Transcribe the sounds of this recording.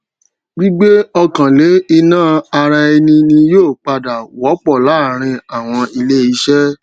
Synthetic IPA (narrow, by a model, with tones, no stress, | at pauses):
ɡ͡bi˦ɡ͡be˦ɔ˧kã˨le˨˦i˧nãː˦˨a˧ɾa˧e˧nĩ˧nĩ˧joː˦˨k͡pa˧da˨wɔ˨˦k͡pɔ˦˨la˨˦˨ɾ̃ĩ˧a˨w̃ɔ̃˧i˧le˦i˦˧˦ʃɛ˦